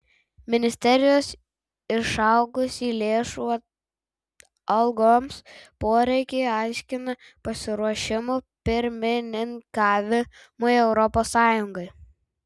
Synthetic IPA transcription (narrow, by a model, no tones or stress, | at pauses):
mʲɪnʲɪsʲt̪ʲɛɾʲɪjoːs | ɪʃɐˑʊɡʊsiːlʲeːʃuɐ | ɐlˠɡoːmspoːɾʲɛɪkʲeɪɑˑɪʃʲkʲɪnɐ | pɐsʲɪɾuɔʃʲɪmuːpʲɪɾʲmʲɪnʲɪŋkɑːʋʲɪ | mojɛʊɾɔpoːsːɑːjʊŋɡɐɪ